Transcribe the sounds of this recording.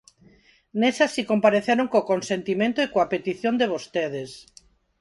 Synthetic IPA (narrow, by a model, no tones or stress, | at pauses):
nesasikompaɾeθjeɾoŋkokonsent̪imẽnt̪oikoapet̪iθjond̪eβ̞ost̪eð̞es